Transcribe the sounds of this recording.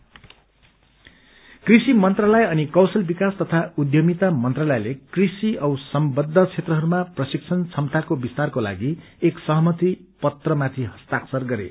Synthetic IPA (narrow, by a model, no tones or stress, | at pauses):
krisimʌnt̪ralʌjʌnikʌwsʌlbikast̪ʌt̪ʰaud̪ʱjʌmit̪amʌnt̪ralʌjlekrisiʌwsʌmbʌd̪ʱːʌt͡sʰet̪rʌɦʌɾumaprʌsik̚t͡sʰʌnt͡sʰʌmt̪akobist̪arkola̰ɡi | eksʌɦʌmʌt̪ipʌt̪rʌmat̪ʰiɦʌst̪aksʌrɡʌɾḛ